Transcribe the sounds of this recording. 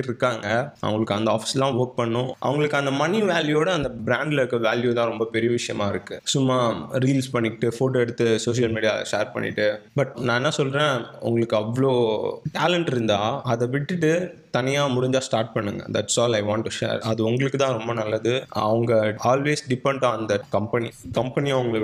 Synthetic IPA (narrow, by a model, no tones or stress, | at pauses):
ɪɾɯkːaːŋɡɐɐ̰ʋɐŋɡɐɭɯkːɯɐnd̪ɐaːfɪ̥sɐlãːʋoːɾk̚pɐɳːʊ̃ʔɐ̰ʋɐŋɡɐɭɯkːɯɐnd̪ɐmɐniʋaːljuoːɽɐɐnd̪ɐbɾaːɳɖlɐɾɯkːɯʋaːljut̪ãːɾɔmbɐpɛɾɪjɐʋɪʂɐjɐmãːɪɾɯkːɯsʊmːaːɾiːlspɐɳːɪʈːɯfoːʈːɛɽɯt̪ːɯsoːʂɪjɐlmiːɽɪja̰ːʂḛːɾpɐ̰ɳːɪ̰ʈːɯbɐʈnãːɛnːaːsɔlɾẽːʊ̰ŋɡɐɭɯkːɯɐʋːɐɭoːʈaːlɛɳʈɪɾɯnd̪aːɐðɛʋɪʈːɯʈːɯt̪ɐnɪjaːmʊɽɪɲd͡ʒaːsʈaːɾʈ̚pɐɳːɯŋɡɐ̰d̪ɐʈsɔːlɐɪʋãːɳʈːuʂḛːɾɐðɯʊŋɡɐɭɯkːɯt̪ãːɾɔmbɐnɐlːɐðɯɐ̰ʋɐŋɡɐaːlʋeːsɖɪpɛɳɖãnd̪ɐkɐmpɛnikɐmpɛniɐʋʊŋɡɐɭ